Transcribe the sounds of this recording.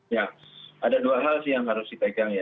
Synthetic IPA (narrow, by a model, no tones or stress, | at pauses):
jaadaduaɦalsɪhjaŋɦaɾʊsdit̪aɡaŋja